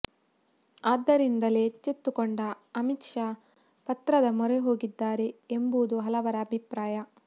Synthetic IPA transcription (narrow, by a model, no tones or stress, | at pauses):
aːd̪ːɐɾind̪ɐle̞ːt͡ʃːet̪ːukoɳɖɐ | ɐmitʂaː | pɐt̪ɾɐd̪ɐmɔɾeɦo̞ːɡid̪ːaːɾe̞embud̪uɦɐlɐʋɐɾɐːbʱipɾaːjɐ